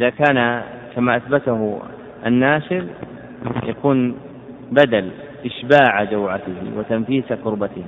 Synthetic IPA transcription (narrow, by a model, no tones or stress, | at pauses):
ʔɪðakaːnakamaʔaθbat̪ahʊ | ʔanːaːʃɪɾ | jakuːn | bad̪al | ʔɪʃbaːʕad͡ʒawʕat̪ɪhɪ̰wɪt̪amfiːsaqʊɾbat̪ɪh